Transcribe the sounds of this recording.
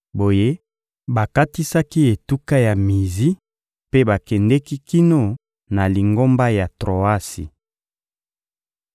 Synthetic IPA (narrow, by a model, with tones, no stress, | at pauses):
bo˨je˦ | ba˨ka˦ti˦sa˦ki˦e˨tu˦ka˦ja˨mi˨zi˦ | pe˦ba˨kɛ˨ndɛ˦ki˦ki˦no˦˨ | na˨li˨ŋɡo˦mba˦ja˨tʁo˨a˦sḭ˨